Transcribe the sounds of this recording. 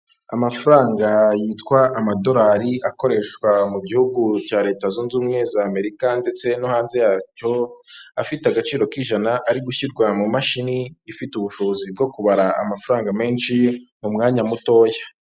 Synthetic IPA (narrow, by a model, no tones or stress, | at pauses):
a̰mafuɾaːŋɡajiːtkwaːmado̞ɾaɾiako̞ɾe̞ʃkwamubɟihuɡut͡ʃaːɾe̞ːtazuːnzuːmŋe̞zame̞ɾikande̞t͡se̞nohaːnze̞jaːco̞afiteaɡat͡ʃiːɾo̞kiʒanaʔaɾiɡuçiɾɡwamumaʃiniːfituβuʃozib̚ɡo̞kuβaɾaa̰mafuɾaːŋɡame̞ːnʃimumŋaːɲamuto̞ːjḁ